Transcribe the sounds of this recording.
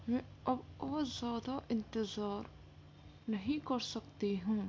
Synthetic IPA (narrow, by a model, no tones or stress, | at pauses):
mɛ̃ɐbɔːɾzjaːd̪aʔɪ̃nt̪ɪzaːɾ | nɐɦĩkɐɾsɐkt̪iɦũː